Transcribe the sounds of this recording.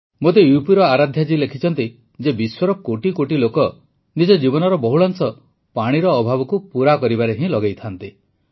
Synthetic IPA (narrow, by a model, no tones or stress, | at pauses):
mot̪ejupiɾɔaɾad̪ʱjad͡ʒilekʰit͡ʃʰɔnt̪i | d͡ʒebiswɔɾɔkoʈikoʈilokɔ | nid͡ʒɔd͡ʒibɔnɔɾɔbɔɦuɭansɔ | paɽ̃iɾɔːbʱabɔkupuɾakɔɾibaɾeɦĩlɔɡejt̪ʰant̪i